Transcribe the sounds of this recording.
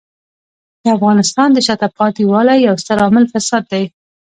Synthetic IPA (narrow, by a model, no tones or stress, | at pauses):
d̪̥əafɣɑnɪst̪ɑnd̪əʃat̪afqɑt̪iwɑlajawst̪aɾɑmɪlfasɑd̪̚ːaj